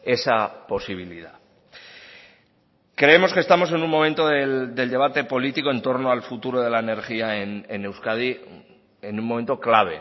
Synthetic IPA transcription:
e̞sapo̞siβ̞iliða | kɾe̞emo̞ske̞st̪amo̞s̬e̞nummo̞mẽ̞nt̪o̞ðeld̪e̞ld̪e̞β̞at̪e̞po̞lit̪iko̞e̞nt̪o̞ɾnoalfut̪uɾo̞ð̞e̞laene̞ɾxiaenene̞wskað̞i | enũnmome̞nt̪o̞klaβ̞e̞̰

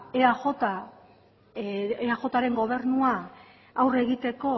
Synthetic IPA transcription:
eaxot̪a | eaxo̞t̪aɾe̞ŋɡo̞β̞e̞rnua | awre̞ɣit̪e̞ko̞

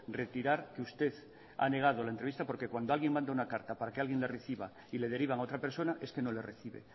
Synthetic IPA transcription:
ret̪iɾaɾkeust̪e̞θ | a̰ne̞ɣ̞að̞o̞laent̪ɾe̞βist̪apo̞ɾkekwand̪oalɣjeŋmãnd̪aunakaɾt̪apaɾakealɣje̞nlereθiβa | ile̞ð̞e̞ɾiβaŋao̞t̪ɾape̞ɾso̞naʔe̞ske̞no̞lereθiβḛ

